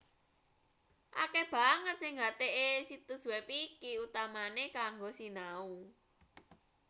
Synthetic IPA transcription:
ʔa̰keb̥a̤ŋət̪̚sɪŋɡat̪eʔesit̪ʊswepikiut̪amanekaŋɡosinau

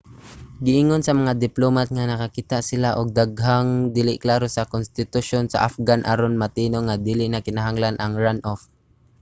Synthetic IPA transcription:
ɡɪʔɪŋonsɐmɐŋad̪ɪplomat̪̚ŋanɐkakit̪aʔsɪlaʔʊɡ̚d̪aɡɦaŋd̪iːlɪʔklaːɾosakonst̪ɪt̪ʊʃonsa̰ʔafɡanʔaɾonmat̪iːnoŋad̪iːlɪʔnakɪnaɦaŋlanʔaŋɹanʔof

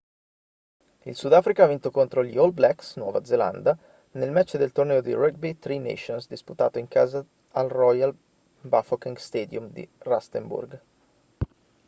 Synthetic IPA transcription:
ḭlsud̪aːfɾikaavint̪okont̪ɾoʎiolblɛksnwɔ̰ːvad̪zela̰nd̪a | nelmɛt͡ʃːd̪elt̪ornɛːod̪ḭrɛɡ̚bet̪ɾinḛʃonsd̪isput̪a̰ːt̪oiŋkaːzaː | lrɔjal | bafokiŋɡst̪eːd̪jumd̪ḭrast̪embṵrɡ

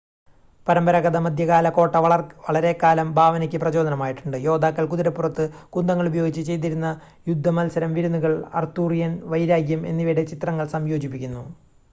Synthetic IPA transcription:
pɐɾɐmbɐɾɐɣɐðɐmɐd̪ʱjɐɣaːlɐko̞ːʈːɐʋɐɭɐɾe̞kaːlɐmbʱaːʋɐnɐkʲːɨprɐd͡ʑo̞ːd̪ɐnɐmaːjiʈːuɳɖɨjo̞ːd̪aːkːɐɭkuðiɾɐpːurɐt̪ːɨkund̪ɐŋːɐɭubɐjo̞ːɡit͡ɕːɨt͡ɕe̞jt̪̬iɾunːɐ | jud̪ʱːɐmɐlsɐɾɐmʋiɾunːuɣɐɭɐ̰rt̪ːuːrijɐnʋɐjɾaːɡjɐme̞̰nːiʋiɽet͡ɕit̪rɐŋːɐɭsɐmjo̞ːd͡ʑipːikʲːunːu

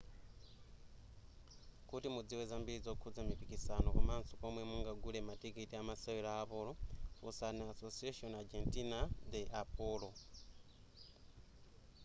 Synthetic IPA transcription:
kutimud͡ziwezambiɾid͡zokʰud͡zamipikisanokamaːnsokomwemuŋɡaɡulematikitiamasawiɾaːpolofṵsaneasosiaʃonad͡ʒentinad̪eʔapolo

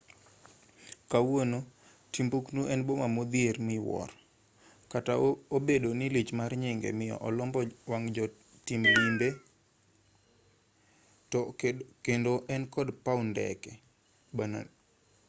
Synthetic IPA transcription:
kawono | timbuknuʔɛnbomamod̪ieɾmɪwɔ̰r | kataobedonilit͡ʃmarɲɪŋɡɛ̰mɪjɔ̰ʔɔlɔmbɔwaŋd͡ʒɔ | timlimbe | tɔkendoʔɛnkɔdpaundɛ̰kɛ | bana̰

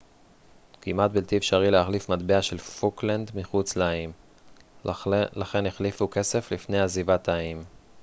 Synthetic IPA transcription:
kimat̪̚bilt̪ifʃaʁilehaχlifmad̪beaʃelfukland̪miχut͡sleaim | laχe̞neχlifuke̞se̞flifne̞jazivat̪ʰaim

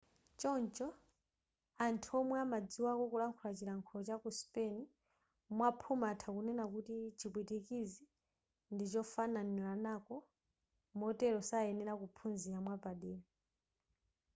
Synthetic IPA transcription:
t͡ʃɔnt͡ʃɔ | antʰuɔmwɛamad͡ziwakɔkulaŋkʰulat͡ʃiɾaŋkʰɔlɔt͡ʃakuspɛni | mwapʰumatʰakunɛnak̬utit͡ʃikwitikizi | ndit͡ʃɔfananilanakɔ | mɔtɛɾɔsaɛnɛɾakupʰunziamwapaɗiːɾɔ

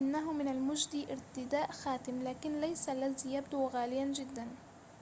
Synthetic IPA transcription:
ɪnːaɦʊmɪnalmʊd͡ʒd̪iːʔɪɾt̪ɪd̪aːʔxaːt̪ɪmlaːkɪnlajsalːaðiːjabd̪uɣaːlɪjand͡ʒɪd̪ːan

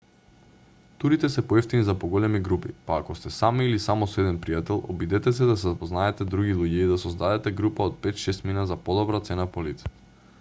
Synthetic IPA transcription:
t̪uɾit̪ɛsɛpɔɛft̪inizapoɡɔlɛmiɡɾupḭpaːkɔst̪ɛsamiːlisamɔsɔɛd̪ɛnpɾijat̪ɛlˠɔ̰bid̪ɛt̪ɛsɛd̪asɛzapɔznaɛt̪ɛd̪ɾuɡilˠuɟɛid̪asɔzd̪ad̪ɛt̪ɛɡɾupaot̪̚pɛt̪ʃɛst̪minazapɔd̪ɔbɾat̪sɛnapolit̪sḁ

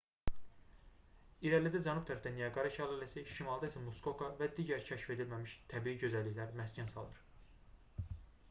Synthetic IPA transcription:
iɾælid̪æd͡ʒɑnub̚t̪ʰæɾfd̪ænijɑɡɑɾɑʃælˠɑlæsiʃimɑlˠd̪ɑisæmuskokʰɑvæd̪iːɟæɾcʰæʃfe̞d̪ilmæmiʃt̪ʰæbiːiɟø̞zælːiçlæɾmæscʰænsɑ̰lˠɯɾ̥

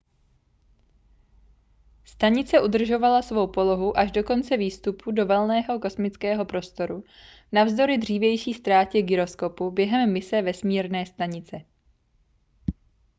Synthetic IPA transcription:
st̪aɲɪt͡sɛʔud̪r̩ʒo̞valasvo̞wpo̞lo̞ɦuʔaʒdo̞ko̞nt͡sɛviːst̪upʰudo̞vɛlnɛːɦo̞ko̞smɪt͡skɛːɦo̞pɾo̞st̪o̞ɾu | navzdo̞ɾɪd̪r̝iːvjɛjʃiːst̪ɾaːcɛɡɪɾo̞sko̞pubjɛɦɛmːɪsɛvɛsmiːɾnɛːst̪aɲɪt͡sɛ

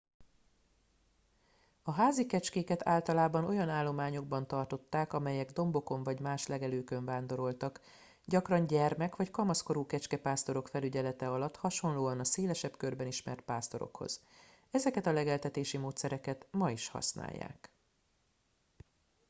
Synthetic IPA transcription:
ɒɦaːzikɛt͡ʃkeːkɛt̪ʰa̰ːlt̪ɒlaːbɒno̞jɒnaːlːo̞maːɲo̞ɡ̚bɒnt̪ɒrt̪o̞t̪ːaːkɒmɛjɛɡd̪o̞mbo̞ko̞ɱvɒɟmaːʃlɛɡɛløːkø̞ɱvaːnd̪o̞ɾo̞lt̪ɒk | ɟɒkrɒɲɟɛrmɛkʋɒckɒmɒsko̞ɾuːkɛt͡ʃkɛpaːst̪o̞ɾo̞kfɛlyɟɛlɛt̪ɛɒlɒt̪ːhɒʃo̞nloːɒnɒseːlɛʃɛpkørbɛniʃmɛ̰rt̪̚paːst̪o̞ɾo̞̰kho̞̰z̥ | ɛzɛkɛt̪ɒlɛɡɛlt̪ɛt̪eːʃimoːt̪sɛɾɛkɛt̪mɒiʃhɒ̰sna̰ːjːa̰ːk

